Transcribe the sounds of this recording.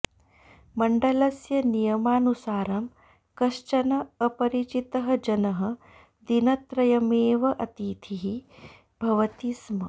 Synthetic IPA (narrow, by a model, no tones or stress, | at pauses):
mɐɳɖɐlɐsjɐnijɐmaːnusaːɾɐm | kɐʃt͡ʃɐnɐɐpɐɾit͡ʃit̪ɐɦɐ̆d͡ʒɐnɐɦɐ̆ | d̪inɐt̪ɾɐjɐmeːʋɐʔɐt̪iːt̪ʰiɦi | bʱɐʋɐt̪ismɐ